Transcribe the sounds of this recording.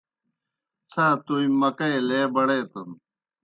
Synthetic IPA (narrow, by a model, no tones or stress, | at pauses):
t͡sʰaːt̪uĩmɐkɐeleːbɐɽeːt̪ɐn